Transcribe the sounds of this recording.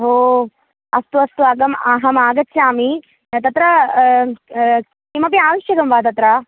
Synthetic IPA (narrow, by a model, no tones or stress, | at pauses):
ɦoː | ɐst̪uɐst̪uɐɡɐmaːɦɐmaːɡɐt̪ʃaːmi | t̪ɐt̪ɾɐ | imɐp̬iaːʋɐʃjɐɡɐmʋaːt̪̬ɐt̪ɾɐ